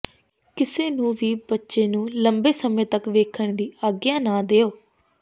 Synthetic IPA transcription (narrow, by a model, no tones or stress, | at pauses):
kɪseːnũːʋiːbətːʃeːnũːləmbeːsəmẽːt̪əkʋeːkʰəɳd̪iːaːɡɪjãːnaːd̪eːoː